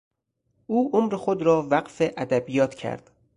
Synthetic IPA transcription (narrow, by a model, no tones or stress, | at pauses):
ʔuːʔomɾexod̪ɾɒːvæqfeʔæd̪æbijɒːt̪ʰcʰæ̰ɾd̪̥